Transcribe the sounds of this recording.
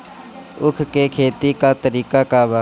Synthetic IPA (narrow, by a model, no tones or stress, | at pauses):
ʊkʰkekʰeːt̪ikat̪əɾiːkakaba